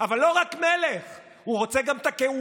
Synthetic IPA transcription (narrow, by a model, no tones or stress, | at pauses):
avalːo̞ʁakmeleχ | huʁo̞t͡se̞ɡamt̪akeu